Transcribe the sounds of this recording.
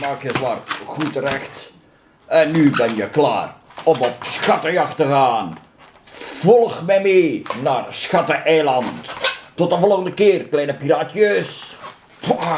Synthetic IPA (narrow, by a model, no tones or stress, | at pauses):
maːkjətʋarɣutərɛxt | ɛnːybɛnjəkla̰ːrɔmɔpsxɑtəjɑxtəɣaːn | v̥ɔlˠxmɛmenaːrsxɑtəʔɛːlɑnttɔtəvɔlˠɣəndəkɪːərklɛjnəpiraːtjøs | pa